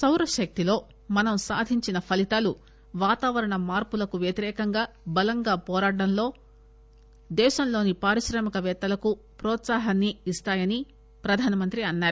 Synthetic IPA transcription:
sɐwɾɐʃɐk̚t̪ilo̞ː | mɐnɐmsa̰ːd̪ʱiɲt͡ʃinɐpʰɐlit̪aːlu | ʋaːt̪aːʋɐɾɐɳɐmaːɾpulɐkuʋjɐt̪iɾɛːkɐŋɡaː | bɐlɐŋɡaːpɔːɾaːɽɐmlo̞ː | d̪ɛːʃɐmlo̞ːnipaːɾiʃɾɐːmɐkɐʋɛːt̪ːɐlɐku | pɾɔːt̪saːɦɐnːiːst̪aːjɐni | pɾɐd̪ʱaːnɐmɐnt̪ɾiɐnːaːɾu

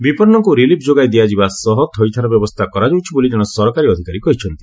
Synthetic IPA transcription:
bipɔɾnɔŋkuɾilipʰd͡ʒoɡajd̪iad͡ʒibasɔɦɔt̪ʰɔjt̪ʰaɾɔbjɔbɔst̪ʰakɔɾad͡ʒowt͡ʃʰiboliʈaɽ̃ɔsɔɾɔkaɾiɔd̪ʱikaɾikɔɦit͡ʃʰɔnt̪i

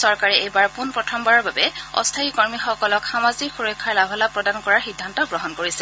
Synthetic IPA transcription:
sɔɹkaɹɛejbaɹpunpɹɔtʰɔmbaɹɔɹbabɛɔ̰stʰaikɔɹmixɔkɔlɔkxamazikxuɹɔjkʰːaɹlabʱɔlapɹɔdankɔɹaɹxidʱːantɔɡɹɔɦɔnkoɹisɛ

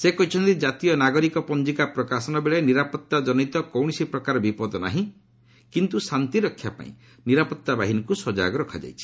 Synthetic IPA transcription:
sekɔit͡ʃʰɔnt̪id͡ʒat̪ijɔnaɡɔɾikɔpɔnd͡ʒikapɾɔkasɔnɔbeɭeniɾapɔt̪ːad͡ʒɔnit̪ɔkɔwɽ̃isipɾɔkaɾɔbipɔd̪ɔna̰ɦĩ | kint̪usant̪iɾɔkʰːjapa̰ḭ̃ | niɾapɔt̪ːabaɦinɔkusɔd͡ʒa̰ɡɔɾɔkʰad͡ʒa̰jt͡ʃʰi̥

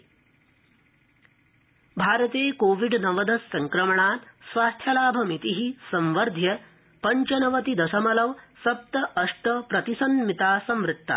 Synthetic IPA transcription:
bʱaːɾɐt̪eːkoːʋiɖnɐʋɐd̪ɐsːɐŋkɾɐmɐɳaːt̪sʋaːst̪ʰjɐlaːbʱɐmit̪iɦisɐ̃mʋɐɾd̪ʱjɐ | pɐɲt͡ʃɐnɐʋɐt̪id̪ɐsɐmɐlɐʋsɐp̚t̪ɐʔːʂʈɐpɾɐt̪isɐnmit̪aːsɐmʋɾɪt̪ːa̰

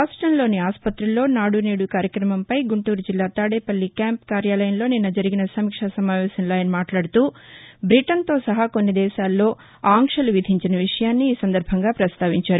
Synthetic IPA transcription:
ɾaːsʈɾɐnlo̞ːniaːspɐt̪ɾɐlːo̞ːnaːɽuneːɽukaːɾjɐkɾɐmɐmpɐjɡuɳʈuːɾud͡ʒilːaːt̪aːɽeːpɐlːikaːmpkaːɾjaːlɐjɐnlo̞ːninːɐd͡ʒɐɾiɡinɐsɐmikʂɐsɐmaːʋɛːsɐnlaːjnmaːʈlaːɽut̪uːbɾiʈɐnt̪o̞ːsɐɦɐko̞nːid̪ɛːʃaːlːo̞ː | aːŋkʂɐluʋid̪ʱiɲt͡ʃinɐʋiʂɐjaːnːiːsɐnd̪ɐɾbʱɐŋɡaːpɾɐst̪aːʋiɲt͡ʃaːɾu

